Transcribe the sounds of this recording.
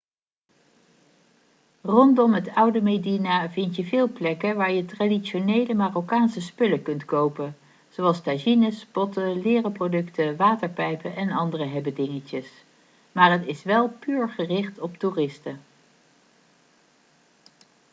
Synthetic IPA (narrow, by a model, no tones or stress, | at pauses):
rɔndɔmɦətʌwdəmejdinavɪntjəvɪːlˠplɛkənʋaːɹjətraːdiʃonejləmaːrokaːnsəspɵləkɵntkowpən | z̥owɑlˠstaʒinəspɔtəlɪːrəprodɵktəʋaːtəɹpɛjpəʔɛnɑndərəɦɛbədɪŋəcəs | maːɹɦətɪsʋɛlˠpyːɹχərɪχtɔp̚turɪstə